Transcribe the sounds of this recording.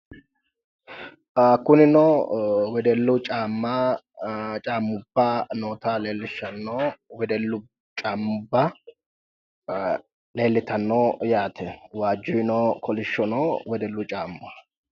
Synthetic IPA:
akːʊnɪnɔwɛd̪ɛlːʊt͡ʃʼaːmːa | t͡ʃʼaːmːʊbːanoːt̪aːleːlːɪʃɐnːoːwɛd̪ɛlːʊ | t͡ʃʼaːmːʊbːɐ | le̞ːlːɪt̪ɐnːoːjaːt̪ʰɛwaːd͡ʒːʊjnɔːkʰɔlɪʃːɔnɔwɛd̪ɛlːʊt͡ʃʼaːmːa

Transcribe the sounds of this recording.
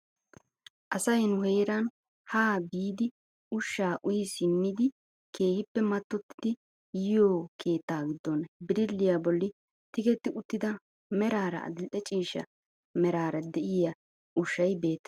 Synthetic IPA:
ʔɐsɐjnʊheːɾɐn | haːbiːd̪ɪ | ʊʃːaːʔʊjɪsɪmːɪd̪ɪ | ke̞ːhɪpːɛmɐt̪ːɔt̪ːɪ̥d̪ɪ | jɪjoːkʰe̞ːt̪ːaːɡɪd̪ːɔnbɪɾɪlːɪjabɔlːɪ | t̪ɪɡɛt̪ːɪʊt̪ːɪd̪ɐ | mɛɾaːɾɐ̰ɐ̰d̪ɪlʔɛt͡ʃʼiːʃɐ̰ | mɛɾaːɾɐd̪ɛʔɪja | ʔʊʃːɐjbe̞ːt̪ː

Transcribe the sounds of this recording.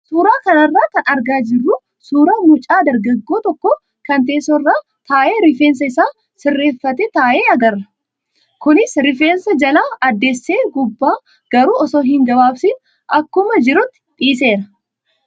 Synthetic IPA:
suːɾaːkɐnɐrːaːkɐnɐɾɡaːd͡ʒɪrːu | suːɾaːmʊt͡ʃʼaːd̪ɐɾɡɐɡːo̞ːt̪ɔkːɔ | kɐnt̪e̞ːsɔrːaː | t̪aːʔe̞ːɾɪfeːnsɐɪsaː | sɪrːe̞ːfːɐt̪ɛt̪aːʔeːɐɡɐrːɐ | kʊnɪsɾɪfeːnsɐd͡ʒɐlaːɐd̪ːe̞ːsːeːɡʊbːaː | ɡ̥ɐɾuːɔsoːɦɪŋɡɐbaːbsɪn | ʔɐkːʊmɐd͡ʒɪɾʊt̪ːɪ̥ᶑ̪ʼiːs̬e̞ːɾɐ

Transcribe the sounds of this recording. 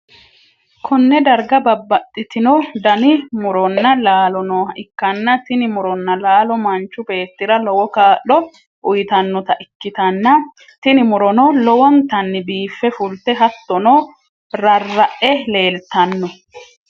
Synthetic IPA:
kʰɔnːɛd̪ɐɾɡɐbɐbːɐt̪ʼːɪt̪ɪnɔd̪ɐnɪmʊɾɔnːɐlaːlɔnɔːʔɪkːɐnːɐt̪ɪnɪmʊɾɔnːɐlaːlɔmɐnt͡ʃːʊbe̞ːt̪ːɪɾɐlɔwɔkaːlːɔ | ʔʊjɪt̪ɐnːɔt̪ɐʔɪkːɪt̪ɐnːɐ | t̪ɪnɪmʊɾɔnɔlɔwɔnt̪ɐnːɪbiːfːɛfʊlt̪ːɛɦɐt̪ːɔnoː | ɾɐrːɐʔɛle̞ːlt̪ɐnːɔ

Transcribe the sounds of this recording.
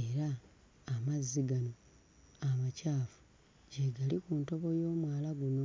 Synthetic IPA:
eɾaː | mazːiɡano̞ | amacaːfu̥ | ɟeɡalikuːnto̞βo̞jo̞ːmwaːlaɡuno̞

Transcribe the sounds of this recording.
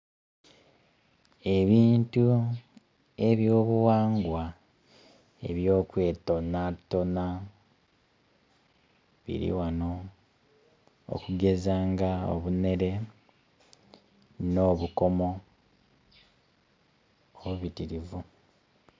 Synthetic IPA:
e̞βiːntu | e̞βjo̞ːβuwaːŋɡwa | e̞̰βjo̞ːkwe̞ːto̞nato̞na | βḭɾḭwano̞ | o̰kuɡe̞zaːŋɡao̰βune̞ɾe̞ | no̞ːβuko̞mo̞ | oβuβitiɾivu

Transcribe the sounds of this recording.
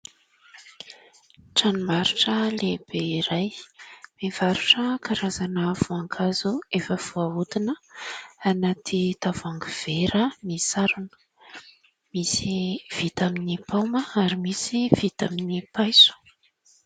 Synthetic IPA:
ʈ͡ʂanimaɾuʈ͡ʂəleb̥eiɾajmevaɾuʈ͡ʂəkaɾazanəvuaŋkʰazuefəv̥uaud̪inəanat̪ʰit̪avaŋɡuv̥eɾənisaɾunə̥ | misiv̥it̪aminipawməaɾimisiv̥it̪aminipajsu̥

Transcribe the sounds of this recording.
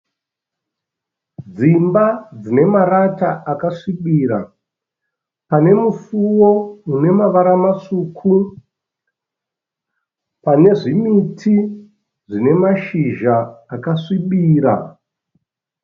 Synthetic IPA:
d͡zimbad͡zine̞maɾataʔakaʂiɓiːɾa̰ | pane̞mufuwo̞une̞maʋaɾamaʂuːkʰu | pane̞ʐimitʰi | ʐine̞maʃiʒaːkaʂiɓiːɾa̰

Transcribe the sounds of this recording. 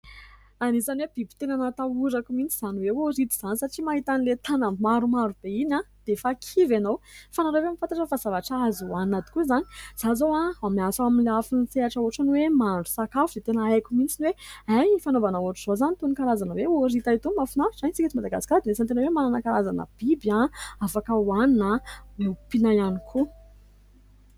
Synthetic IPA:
anisanweb̥ibi̥t̪enanat̪auɾakumint͡siz̥aniweoɾit̪iz̥anisaʈ͡ʂimaɦit̪anilet̪anambimaɾumaɾub̥einad̪̥efakʰivanowfanaɾewemifant̪aʈ͡ʂəfaz̥avaʈ͡ʂazuanat̪i̥kuizani̥z̥azowaamiasaminleafinfeaʈ͡ʂauʈ͡ʂanwemaɖ͡ʐu̥sakafud̪et̪enəajkʲumint͡sinweajifanovanauaʈ͡ʂuz̥ozanit̪unikalazanəweoɾit̪ait̪umafunaɾiʈ͡ʂanit͡sikit͡s̪imad̪aɡasi̥kʲad̪imesant̪enawemananakalazanə̰b̥ibjaafakəuaninalepinajanikʰu

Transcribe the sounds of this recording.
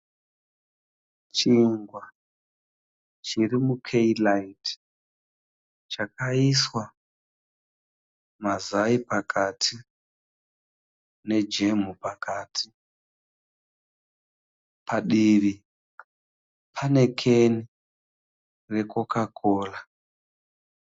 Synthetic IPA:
t͡ʃiŋɡwa | t͡ʃirimukʰeilait | t͡ʃakaiswa | mazaipakʰatʰi | ne̞d͡ʒe̞m̤upakaːtʰi | pʰaɗiri | pʰane̞kʰe̞ni | re̞kokakʰo̞ːla

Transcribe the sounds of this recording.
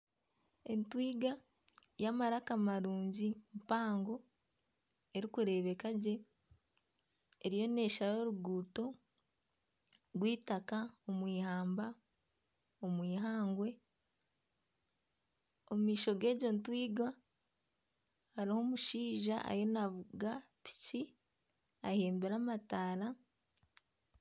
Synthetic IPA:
entwiːɡa | jamaɾakamaɾuːɲɟimpaːŋɡo̞ | e̞ɾikuɾe̞ːβe̞kaɟe̞ | ɾijo̞ne̞ːʃaɾo̞ɾuɡuːto̞ | ɾwiːtakaomwiːhaːmba | omwiːɦaːŋɡwe̞ | o̞mumiːʃo̞ɡe̞ːɟo̞ntwiːɡa | haɾiho̞ːmuʃiːʒa̰ʔa̰jonaβuɡa | pi̥ci | ahe̞ːmbeɾamataːɾa

